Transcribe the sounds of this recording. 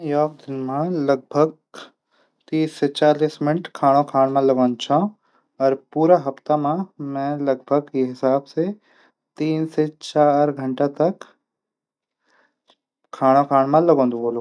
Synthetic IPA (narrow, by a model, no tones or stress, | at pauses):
m̃jɔːk̚d̪ɪnmãlɐɡ̚bʱəɡ̚ | t̪iːsːet͡ɕaːliːsmɪnɪʈkʰaːɽ̃okʰaːɽ̃mãlɐɡõːnt͡ʃʰã | ɐɾpuːɾaɦɐft̪amãmɛ̃ːlɐɡ̚bʱəɡiɦɪsaːbse | t̪iːnset͡ɕaːɾɡʱɐɳʈat̪ɐk | kʰːaːɽ̃okʰaːɽ̃mãlɐɡõːnd̪ũboːlũː